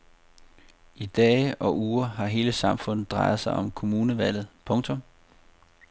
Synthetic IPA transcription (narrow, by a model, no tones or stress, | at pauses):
id̥ɛːʔɒ̽ʔuːɐɦɑ̈ɦe̝ːləsɑ̈mfɔ̽n̰ð̩ˠd̥ʁɑ̈ɪð̞̩ˠsɑ̈ɪʔɒ̽mkʰo̝muːnəʋæl̰ð̞̩ˠpʰɔ̽ŋt͡sʰɔ̽m